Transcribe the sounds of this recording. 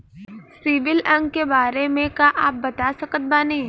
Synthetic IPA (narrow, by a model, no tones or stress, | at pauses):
sɪʋɪlɐ̃ŋɡkebaːɾemẽkaʔaːp̚bɐt̪asɐkət̪̚banĩ